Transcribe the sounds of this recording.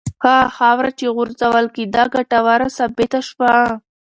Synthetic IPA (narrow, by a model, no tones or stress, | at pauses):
xɑxɑwɾat͡ʃeɣʊɾzawəlkid̪ɑɡaʈawaɾasabet̪aʃwa